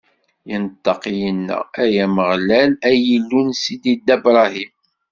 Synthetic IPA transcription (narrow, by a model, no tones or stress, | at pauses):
jənt̪ːɑqijənːæ̰æjæməʁlælæjəlːunsid̪id̪æbɾˤɑhim